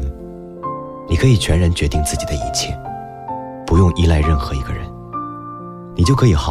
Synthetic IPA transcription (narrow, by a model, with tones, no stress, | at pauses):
ni˨˩kʰɤ˧˥i˨˩t͡ɕʰɥɛ˧˥nɻa˧˥nt͡ɕɥɛ˧˥t̪i˥˧ŋt͡sɹ̩˥˩t͡ɕi˨˩d̪ə˦i˧˥t͡ɕʰjɛ̰˥˩ | pu˧˥jʊ˥˧ŋʔi˥˧la˥˧ɪɻə˥˩nxɤ˧˥i˧˥ɡə˧ɻə̰˧˦n | ni˨˩t͡ɕjo˥˩ʊkʰɤ˧˥i˨˩xɑ˨˩